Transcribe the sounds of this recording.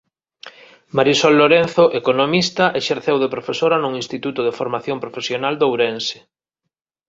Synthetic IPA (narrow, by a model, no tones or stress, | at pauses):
maɾisɔlːoɾenθoʔekonomist̪aʔeʃeɾθewðepɾofesoɾanuŋinst̪it̪ut̪ʊðefoɾmaθjompɾofesjonald̪owɾensɪ̥